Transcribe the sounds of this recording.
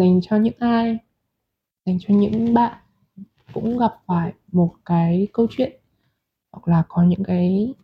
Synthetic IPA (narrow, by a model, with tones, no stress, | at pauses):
za˨˩jŋ̟t͡ɕɔ˧ɲɨ̰˧˥ŋʔaː˧j | za˨˩jŋ̟t͡ɕɔ˧ɲɨ̰˧˥ŋɓa̰ː˧˨n | kʊ̰˧˥ŋ͡mɣa˨˩p̚faː˧˩jmo˨˩t̚kaː˨˦jkə˧wt͡ɕwḭ˧˨ən | ha˨˩k̚laː˨˩kɔ˨˦ɲɨ̰˧˥ŋkaː˨˦j